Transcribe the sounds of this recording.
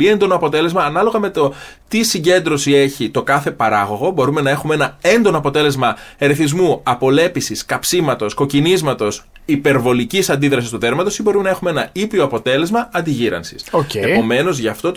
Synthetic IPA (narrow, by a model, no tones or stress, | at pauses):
ie̞nd̪o̞no̞ɐpo̞t̪e̞le̞zmɐːnɐlo̞ɣɐme̞t̪o̞t̪isiɲɟe̞nd̪ɾo̞sie̞çit̪o̞kɐθe̞pɐɾɐɣo̞ɣo̞bo̞ɾume̞nɐe̞xumee̞nɐe̞nd̪o̞noɐpo̞t̪e̞le̞zmɐeɾeθizmuɐpo̞le̞pisiskɐpsimɐt̪o̞sko̞cinizmɐt̪o̞s | ipe̞ɾvo̞licisɐnd̪iðɾɐsist̪uðe̞ɾmɐt̪o̞sibo̞ɾume̞nɐe̞xumeenɐipio̞ɐpo̞t̪e̞le̞zmɐɐnd̪iʝiɾɐ̰nsi̥soceepo̞me̞no̞zʝɐft̪o̞t̪